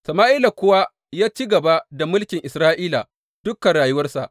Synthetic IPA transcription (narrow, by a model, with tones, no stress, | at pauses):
sɐ˨maː˦ʔi˦la˨kʷʊ˦wa˦ | jaː˦t͡ʃiː˦ɡɐ˨ba˦da˨mʊ˦lkʲɪ˨ŋʔɪ˨sɾaː˦ʔiː˦la̰˨ | d̥ʊ˦kɐ˨nɽaː˨jʊ˦wɐ˦rsa˨ʔ